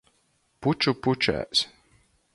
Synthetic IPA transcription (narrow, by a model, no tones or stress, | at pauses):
put͡ʃuput͡ʃæ̰ːs